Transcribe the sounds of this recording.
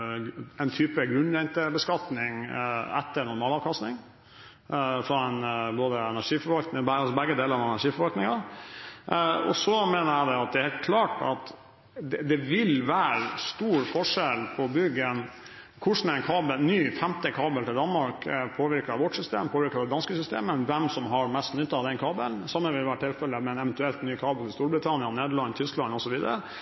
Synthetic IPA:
ɛnt̪ʰyːpəɡɾʉnɛnt̪əbəskɑt̪nɪŋɛ̰t̪ːəɾɳʊɾmɑːlɑːʋkʰɑst̪ɪŋ | fɾɑɛnboːd̪əɛnæʂiːfɔɾʋɑlknɪŋɑsɔbæɡːəd̪eːləɾɑʋɛnæʂiːfɔɾʋɑlknɪŋɑ | ɔ̰sɔmeːnəɾæd̪ɛɑt̪̚d̪ɛɾheːlt̪̚kʰlɑːʈɑ̰t̪ | d̪ɛd̪ɛʋɪlʋæːɾst̪uːɾfɔʂɛlpʰɔbʏɡːən | kʰʊʂn̩æɾɛɪnkʰɑːbəlnyːfɛmt̪əkʰɑːbəlt̪ɪld̪ɑnmɑɾkpʰoːʋɪɾkɑʋɔʈsʏst̪ḛːmpʰoːʋɪɾkɑɾd̪ɛd̪ɑnskəsʏst̪ḛːmənʋɛmsɔmɦɑɾmɛst̪nʏt̪ːɑɑd̪ɛnkʰɑːbəlnsɑmːənʋɪlʋæːɾəʈʰɪlfɛlːəmɛnɛʋɛnt̪ʉɛlt̪nyːkʰɑːbəlt̪ɪlst̪uːɾbɾɪt̪ʰɑnɪəneːd̪əɭɑnːt̪ʰʏsklɑnɔsɔʋiːd̪əɾə

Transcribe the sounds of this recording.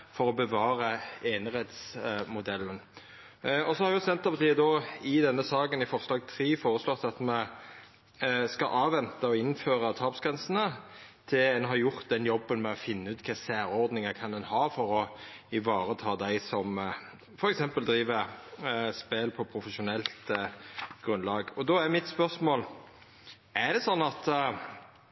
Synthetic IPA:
fɔɾɔbəʋɑːɾəeːnəʁheːt̪smʊd̪ɛlːən | ɔsɔhɑɾʋjʊsɛnt̪ɑpɑt̪ʰiːəd̪ɔɪd̪ɛnːəsɑːɡənɪfɔɾslɑːɡt̪ʰɾiːfoːɾəslɔt̪ːɑt̪mɛ | skɑʔɑːʋɛnt̪əɔɪnːføːɾət̪ʰɑːpsɡɾɛnsənət̪ʰɪlɛnɦɑɾjʊʁt̪̚d̪ɛnjɔbːənmɛɔfɪnːəʉːt̪kʰɑsæːɾɔʁd̪nɪŋəkʰɑnd̪ɛnhɑːfɔɾɔɪʋɑːɾət̪ʰɑːd̪æɪsɔm | fɔɾɛksɛmpəld̪ɾiːʋə | speːlpʰɔpʰɾʊfəʂʊnɛlt̪ | ɡ̥ʁʉnlɑːɡɔd̪ɔæmɪt̪spœʁsmoːl | ʔæd̪ɛsɔnːɑt̪

